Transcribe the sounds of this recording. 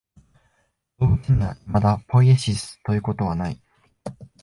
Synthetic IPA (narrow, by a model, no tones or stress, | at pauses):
doːkĩnːamad̪apʰo̞ieɕisɨ̥t̪o̞jɯ̟ːko̞t̪o̞β̞anaḭ